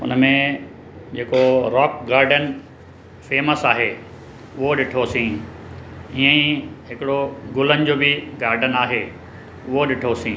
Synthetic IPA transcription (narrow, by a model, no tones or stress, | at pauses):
ʊ̰nəmẽ | d͡ʑeːkoɾɔːk̚ɡaːɾɖən | feːməsaːɦeː | ʊɦoɗɪʈʰosĩː | iːə̃ĩɦɪkɪɽoɡʊlənɪ̆d͡ʑoːbɪɡaːɾɖənaːɦe | ʊɦoɗɪʈʰosĩː